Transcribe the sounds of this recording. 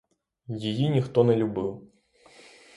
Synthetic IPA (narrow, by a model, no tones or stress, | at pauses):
jɪjinʲɪxt̪ɔnɐlʲʊbɨlˠ